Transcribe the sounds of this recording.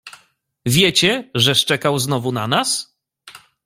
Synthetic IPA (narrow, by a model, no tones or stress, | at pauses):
vʲjɛt͡ɕɛʐɛʂt͡ʂɛkawznɔvunanas